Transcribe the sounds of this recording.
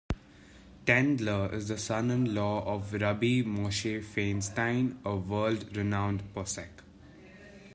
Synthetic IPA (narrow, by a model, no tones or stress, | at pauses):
ʈɛ̃nɖləɪ̰zd̪əsʌ̃nə̃nlɔːɔʋɾʌbimoːʃefẽːnsʈãɪ̃nəʋəːlɖɾɪnãʊ̃nɖpɔːsɛk